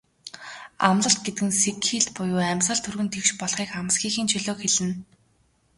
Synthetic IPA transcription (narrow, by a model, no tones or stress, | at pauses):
a̰mɮə̆ɬt̪̚ɡet̪̚ɡɘ̆nsekxiːɮt̪pʊjʊːæmʲsə̆ɮt̪ʰɵrɣɘ̆nt̪ʰekʃpɔɮχiːkam̆sxiːxiːnt͡ɕʰiɮoːkxeɮɘ̆n